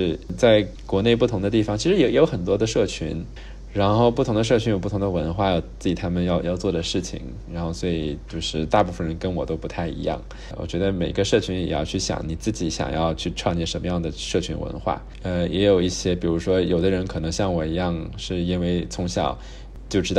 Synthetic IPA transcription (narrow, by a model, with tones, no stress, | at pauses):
ʂɻ̩˥˩t͡sa˥˩ɪkwɔ˧˥ne˥˧ɪpu˥˩t̪ʰʊ˧˥ŋd̪ə˧t̪i˥˩fɑ˨˩ŋt͡ɕʰi˧˥ʂɻ̩˧˥jjo˧˥ʊxə˨˩nt̪wɔ˥d̪ə˧ʂɤ˥˩t͡ɕʰy̰˧˥n | ɻa˧˥nxo˥˧ʊpu˥˩˧ŋd̪ə˧ʂ̬ɤ˥˩t͡ɕʰy˧˥njo˨˩pu˥˩t̪ʰd̪ə˧wə˧˥nxwa˥˩jo˨˩ʊt͡sɹ̩˥˩t͡ɕi˨˩t̪ʰa˥mə˨njɑ˥˧ʊjɑ˥˧ʊt͡swɔ˥˩d̪ə˩ʂɻ̩˥˩t͡ɕʰḭ˨˩ŋ | ɻa˧˥nxo˥˩ʊswɔ˧˥i˨˩t͡ɕjo˥˧ʊʂɻ̩˥˧t̪a˥˧pu˥˩fə˨nɻə˧˥nkə˥nwɔ˨˩t̪o˥ʊpu˧˥t̪ʰa˥˩ɪḭ˧˥jɑ̰˥˩ŋ | wɔ̰˨˩t͡ɕɥɛ˧˥d̪ə˧me˨˩ɪ˥ɡə˦ʂɤ˥˩t͡ɕʰy˧˥njɛ˨˩jɑ˥˧ʊt͡ɕʰy˥˩ɕjɑ̰˨˩˦ŋni˨˩t͡sɹ̩˥˩t͡ɕi˨˧˥ɕjɑ̰˨˩ŋjɑ̰˥˧ʊt͡ɕʰy˥˧ʈ͡ʂʰwɑ˥˧ŋjɛ˥˩ʂə˧˥nmə˧jɑ˥˩ŋd̪ə˩ʂɤ˥˩t͡ɕʰy̰˧˥nwə̰˧˥nxwa̰˥˩ | ə˧jʔɛ˧˥jo˨˩ʊi˥˩ɕjɛ˥pi˨˩ɻu˧˥ʂwɔ˥jo˨˩ʊd̪ə˦ɻə˧˥nkʰɤ˨˩nɤ˧˥ŋɕjɑ˥˩ŋwɔ˨˩i˧˥jɑ˥˧ŋʂɻ̩˥˩i˥nwe˥˩ɪt͡sʰʊ˧˥ŋɕjɑ̰˨˩ʊ | t͡ɕjo˥˧ʊʈ͡ʂɻ̩˥t̪ɑ˥˩